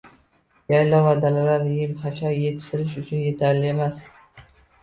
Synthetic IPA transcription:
jajlɒvad̪alalaɾjɪmχat͡ʃʰɒjje̞t̪ʰɪ̥ʃt̪ɪɾɪʃ̬ʊt͡ʃʰʊnje̞t̪ʰaɾlɪe̞mas

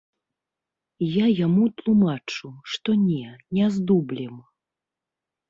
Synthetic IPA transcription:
jajamut̪lˠumat͡ʂuʂt̪ɔnʲɛnʲɛzd̪ublʲɛm

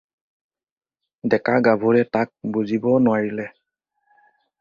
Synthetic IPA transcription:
dɛkaɡabʱuɹɛtak̚buzibɔnʊaɹilɛ

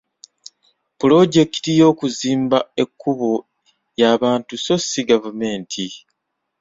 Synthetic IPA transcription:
pulo̞ɟe̞ki̥tijo̞ːkuziːmbae̞kʰːuβo̞ | jaːβaːntuso̞siɡavume̞ːntʰi

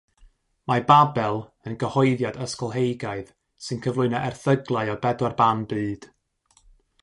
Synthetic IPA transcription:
mababɛlˠənɡəhɔjðjadəskɔlˠɦejɡaɨð | sɨnkʰəvlʊɨnaʔɛrθəɡlˠaɨɔbɛdwarbanbɨːd̥

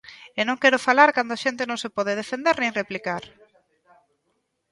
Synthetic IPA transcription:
enõŋkɛɾʊfalaɾkand̪ʊaʃent̪ɪnõŋsepɔð̞ɪðefend̪eɾnẽŋreplikaɾ

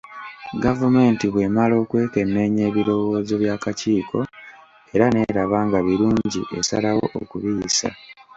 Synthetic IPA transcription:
ɡavume̞ːntiβwe̞malo̞ːkwe̞ːke̞nːe̞ːɲe̞ːβiɾo̞wo̞ːze̞βjaːkaciːkʰo̞ | e̞ɾane̞ɾaβaːŋɡaβiɾuːɲɟḭʔe̞sa̰lawo̰ʔo̰kuβiːsa̰

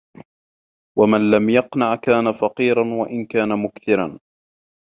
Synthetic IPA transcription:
wamanlamjɑqnaʕkaːnafɑqiːɾanwaʔɪnkaːnamʊkθɪɾan

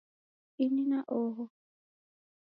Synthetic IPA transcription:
ininaʔɔɦɔ

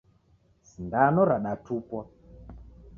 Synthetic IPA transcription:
sindanɔɾaɗatupɔ

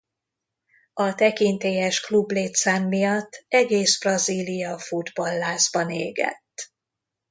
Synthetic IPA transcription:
ɒt̪ɛkint̪eːjɛʃklubleːt̪saːmːijɒt̪ːɛɡeːsb̥rɒziːlijɒfud̪bɒlːaːzbɒnḛːɡɛ̰t̪ː

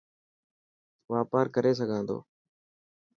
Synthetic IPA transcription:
ʋaːpaːɾkəɾeːs̬əɡʱãːnd̪o̰ː

